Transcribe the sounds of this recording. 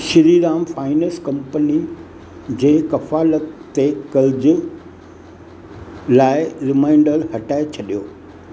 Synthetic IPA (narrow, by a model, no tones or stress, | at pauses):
ʃɪɾiːɾaːmfaːɪnəskɐ̃mpəni | d͡ʑeːkɐfaːlət̪ːekɐld͡ʑʊ | laːɪɾɪmaːɪ̃ɳɖəɾhɐʈaːɪt͡ɕʰɐɗijoː